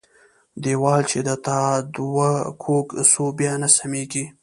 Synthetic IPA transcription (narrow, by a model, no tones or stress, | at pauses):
d̪ewɑlt͡ʃed̪ət̪ɑd̪wakʰoksobjɑnasameɡi